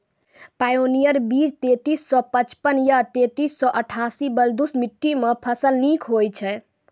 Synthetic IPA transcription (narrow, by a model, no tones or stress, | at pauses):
pajonijəɾbid͡ʒt̪et̪isːɔpət͡ʃpənjat̪et̪isːɔ̃ʔəʈʰasibəld̪usmiʈːimepʰəsəlnikʰɦojt͡ʃʰɛ